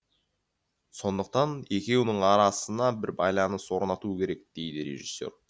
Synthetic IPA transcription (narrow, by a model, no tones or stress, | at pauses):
so̞nd̪əq̚t̪ɑne̞kʲe̞wnɪɴɑɾɑsənɑbɪɾbɑjlˠɑnəswo̞ɾnɑt̪uəkʲʰe̞ɾe̞k̚d̪̥e̞jd̪ɪɾe̞̰ʒisːe̞̰ɾ